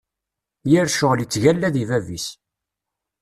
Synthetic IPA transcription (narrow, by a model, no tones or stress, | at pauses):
jəɾʃʊlit͡sːʝælːæðivævis